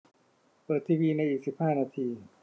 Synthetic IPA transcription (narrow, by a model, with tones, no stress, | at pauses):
pɤː˨˩t̪ʰːiː˧wiː˧na˧jʔiː˨˩k̚si˨˩p̚haː˥˩naː˧t̪ʰiː˧